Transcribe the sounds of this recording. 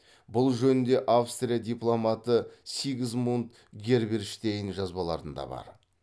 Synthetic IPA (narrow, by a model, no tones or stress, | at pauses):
bʊlˠʒɵnɪnd̪e̞ʔafst̪ɾrʲijad̪ijplˠo̞mat̪əseɡʲɪzmunut̪ | ɡʲe̞ɾbeɾʃt̪ejɪnʒɑzbɑlˠɑ̰ɾənd̪ɑ̰bɑ̰ɾ